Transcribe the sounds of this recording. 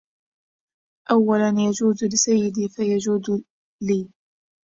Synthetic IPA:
ʔawːalanjad͡ʒuːzlɪsajːɪd̪iːfajad͡ʒuːd̪ | liː

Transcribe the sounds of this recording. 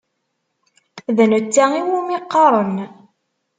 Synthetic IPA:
ðænət͡sːæiwumiqːɑɾˤən

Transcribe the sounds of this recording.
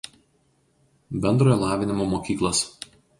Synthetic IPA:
bʲɛnd̪ɾoːjɔlˠɑːʋʲɪnʲɪmoːmoːkʲiːklˠos

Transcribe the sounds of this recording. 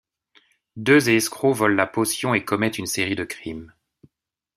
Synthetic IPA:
d̪øzeːskχovɔlːaposjɔ̃ekɔmɛt̪ynseʁid̪əkχim

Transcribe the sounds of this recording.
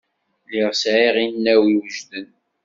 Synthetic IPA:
lɪʁsʕiʁinːæwiwəʒðən

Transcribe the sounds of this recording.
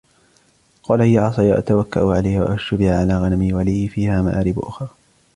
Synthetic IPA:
qɑːlahɪjːaʕɑsˤɑjaʔa̰t̪awakːa̰ʔʊʕalajhwa̰ʔaʃʊbɪʕaʕalaːɣanamiwaliːɪfiːhaːma̰ʔaːɾɪbʔʊxɾ

